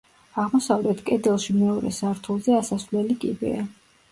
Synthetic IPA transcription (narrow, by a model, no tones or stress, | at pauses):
aʁmɔsavlɛt̪ʰkʼɛd̪ɛlˠʃimɛɔɾɛ̰saɾt̪ʰulˠzɛasasvlɛlikʼḭbɛ̰a